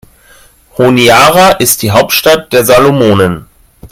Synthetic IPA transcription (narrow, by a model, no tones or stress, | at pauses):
honiaːʁaʔɪst̚d̥iːɦaʊp̚tʃtat̚d̥eːɐzaːlomoːnən